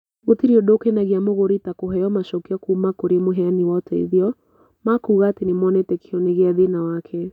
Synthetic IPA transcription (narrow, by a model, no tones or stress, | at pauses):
ɣotiɾiodokenaɣeamoɣoɾitakoɦɛjɔmaʃɔkiɔkuːmakoɾemoɦɛaniwɔtɛḭðiɔ | makuːɣaːtenemɔnɛtɛkʰiɔneɣeaðenawakʰɛ